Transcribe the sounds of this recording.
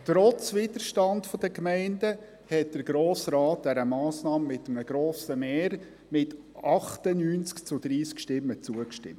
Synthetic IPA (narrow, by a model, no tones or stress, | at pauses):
t̪ɾɔt͡svɪd̥̪əɾʃtɑndfɔd̥əkmɛɪndə | hɛt̚d̥əɾɡ̥ɾoːsɾɑːt̚d̥̪ɛɾəmɑːsnɑːmmɪt̪əm̩əɡ̥ɾoːsəmeːɾ | mɪt | ʔɑχt̪ənyːnt͡skt͡sʊd̪ɾiːskʃtɪmːət͡suəkʃtɪ̰mtt